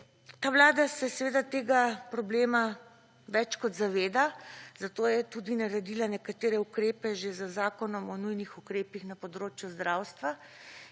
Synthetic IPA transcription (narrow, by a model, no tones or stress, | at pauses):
t̪aːʋlaːd̪asɛsɛʋeːd̪at̪eːɡapɾɔbleːma | ʋɛt͡ʃkɔd̪zaʋeːd̪az̥at̪oːjɛt̪ud̪inaɾɛd̪iːlanɛkat̪eːɾɛukɾeːpɛʒezəzaːkɔnɔmɔnujnixukɾeːpixnapɔd̪ɾoːt͡ʃjuzd̪ɾawst̪ʋa